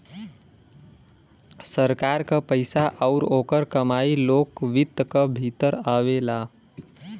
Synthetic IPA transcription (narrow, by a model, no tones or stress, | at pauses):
səɾkaɾkəpəɪsaʔəʊɾoːkəɾkəmailokʋit̪ːkəbʱit̪əɾaʋela